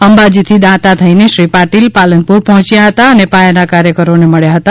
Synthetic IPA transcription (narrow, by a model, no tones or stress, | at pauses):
əmbad͡ʒit̪ʰid̪ãt̪at̪ʰəineʃɾipaʈilpalənpuɾpəɦɔ̃t͡ʃjaɦət̪aənepajanakaɾjəkəɾoneməɭjaɦət̪a